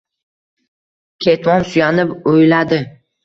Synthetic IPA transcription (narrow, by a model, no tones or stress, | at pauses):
kʲʰe̞t̪mɒnsʊjanɪpojlad̪ɪ